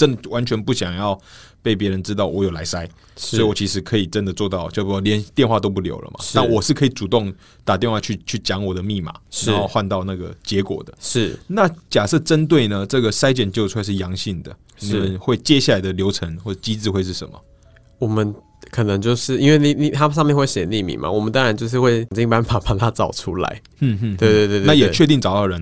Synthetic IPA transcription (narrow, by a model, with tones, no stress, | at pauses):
ʈ͡ʂə˦˥nd̪ə˨wa˨˦nt͡ɕʰɥɛ˧˥npu˥˩ɕjɑ˨˩ŋjɑ˥˧ʊpe˥˩ɪp̬jɛ˧˥ɻə˧˦nʈ͡ʂɻ̩˥t̪̬ɑ˥˩ʊwɔ˧˥jo˨˩la˧˥ɪsa˦ɪ | swɔ˧˥i˨wɔ˨˩t͡ɕʰi˧˥ʂɻ̩˧˥kʰɤ˧˥i˨˩ʈ͡ʂə˦nd̪ə˨t͡swɔ˥˧t̪ɑ˥˩ʊt͡ɕjo˥˩ʊpljɛ˧˥˦nt̪jɛ˥˧nxwa˥˧t̪o˥ʊp̬u˥˩ljo̰˧˥ʊlə̰˨mʔa̰˨t̪a˥˨nwɔ˨˩ʂɻ̩˥˩kʰɤ˧˥i˨˩t͡su˨˩t̪o˥˩ŋ | t̪a˨˩t̪jɛ˥˧nxwa˥˧t͡ɕʰy˥˧t͡ɕʰy˥˩t͡ɕjɑ˧˥ŋwɔ˨˩d̪ə˦mi˥˩ma̰˨˩na˨˦˨o˥˧ʊxwa˥˧nt̪ɑ˥˧ʊna˥˩ɡə̰˩t͡ɕjɛ˧˥kwɔ̰˨˩d̪ə̥̰˦ʂɻ̩˥˩na˥˨t͡ɕja˨˩sɤ˥˩ʈ͡ʂə˦nt̪̬we˥˩ɪnə˨ʈ͡ʂɤ˥˩ɡə˩sa˥ɪt͡ɕɥɛ˨˩nt͡ɕjo˥˧ʊʈ͡ʂʰwa˥˧ɪʂ̬̩˥˩jɑ˧˥ŋɕi˥˩ŋd̪ə̰˩ | ʂni˨˩˨mə˨˦nxwe˥˩ɪt͡ɕjɛ˦ɕja˥˩la˧ɪd̪ə˨ljo˧˥ʊʈ͡ʂʰə˧˦ŋxwɔ˥˩˥t͡ɕi˦˥t͡sɹ̩˥˧xwe˥˧ɪʂ̬̩˥˩ʂə̰˧˦nmə̰˨ | wɔ˨˩mə˦n | kʰɤ˨˩nə˧˦ŋt͡ɕjo˥˧ʊʂɻ̩˥˩i˥nwe˥˩ɪni˨˩ni˨˩t̪ʰa˥sɑ˥˧mjɛ˥˧nxwe˥˩ɕɛ˨˩nli˥˨˩mḭ˨˩ma̰˨˩wɔ˨˩mə˨˦nt̪ɑ˥ŋɻa˨˧˦nt͡ɕjo˥˧ʊʂ̬ɻ̩˥˧xwe˥˧ɪŋt͡ɕi˥ŋ˧pa˥˦npa˨˩pa˨˩t̪ʰa˦˥t͡sɑ˨˩ʊʈ͡ʂʰu˥la̰˨˦ɪ˥˩˥we˥˧t̪we˥˧t̪we˥˧na˥˨jɛ˨˩˥t͡ɕʰɥɛ˥˧t̪̬i˥˩ŋt͡sɑ˨˩ʊt̪ɑ˥˩ɻə˧˦n